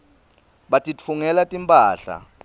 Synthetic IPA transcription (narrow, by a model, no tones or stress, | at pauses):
ɓatʼifuŋɛlatʼimpʼaːɬa̰